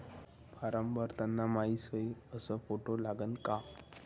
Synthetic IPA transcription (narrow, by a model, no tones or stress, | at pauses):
paɾəmbəɾt̪anːamaisəjəsəfoʈolaɡənka